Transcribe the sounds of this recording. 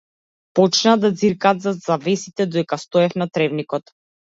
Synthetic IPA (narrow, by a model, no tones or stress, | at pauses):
pɔt͡ʃnad̪ad̪ziɾkaːt̪zazavɛsit̪ɛd̪ɔd̪ɛkast̪ɔɛfnat̪ɾɛvnikɔt̪